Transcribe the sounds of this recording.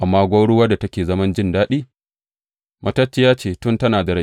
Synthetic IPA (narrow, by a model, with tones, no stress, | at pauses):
ʔa˨mːaː˦ɡʷaː˦ɽʊ˦wa˦da˨tɐ˦kʲeː˨zɐ˦mɐ˦nd͡ʒɪ˦ndaː˦ɗiː˦ | mʔɐ˦tɐ˦t͡ʃːɪ˦jaː˦t͡ʃeː˨tʊ˦ntɐ˦naː˨da˨ɽɐ˦